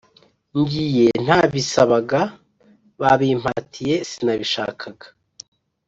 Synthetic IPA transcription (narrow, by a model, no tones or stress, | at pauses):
ŋɡije̞n̥haːβisaβaɡa | βaβiːm̥hatʰije̞sinaβiʃa̰ːkʰaɡḁ